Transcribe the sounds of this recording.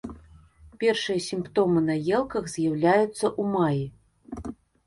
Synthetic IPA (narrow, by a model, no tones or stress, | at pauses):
pʲɛrʂɨjɐsʲimpt̪ɔmɨnɐjɛlˠkɐɣzʲjawlʲajut̪sːɐʔumaji